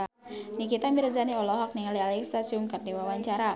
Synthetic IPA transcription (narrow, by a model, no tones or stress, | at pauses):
nikit̪ambiɾazaniɔlɔɦak̚niŋalialɛksasuŋkardiwawaɲt͡ʃaɾa